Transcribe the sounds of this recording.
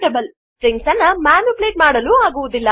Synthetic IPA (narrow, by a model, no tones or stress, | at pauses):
ʈɐbɐl | ʈɾeŋksɐnːɐmaːnupleːʈ̚maːɽɐluːaːɡuʋud̪ilːɐ